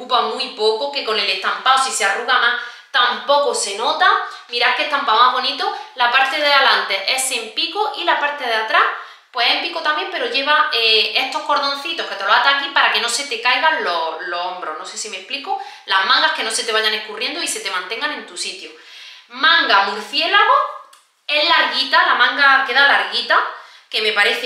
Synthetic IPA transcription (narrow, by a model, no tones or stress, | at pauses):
kupamuipo̞koke̞ko̞ne̞le̞ht̪ampaosisearuɣamah | t̪ampo̞kose̞no̞t̪a | miɾahkeht̪ampaomaɦβ̞o̞nit̪o̞lapaɾt̪e̞ðealant̪e̞ʔe̞se̞mpikoʔilapaɾt̪e̞ð̞eat̪ɾah | pwe̞sempikot̪ambje̞mpe̞ɾoʝe̞βaee̞ht̪o̞hko̞ɾðõ̞nθit̪o̞hke̞t̪elohat̪akimpaɾake̞no̞se̞t̪e̞kajɣaloloombɾo̞̰no̞se̞sime̞hplikolamãŋɡahke̞no̞se̞t̪e̞β̞aʝanekurje̞nd̪oise̞t̪e̞mãnt̪e̞ŋɡane̞nt̪usit̪jo | mãŋɡamuɾθje̞laɣo̞ | e̞ɦlaɾɣit̪alamãŋɡake̞ðalaɾɣit̪a | ke̞mepaɾe̞θe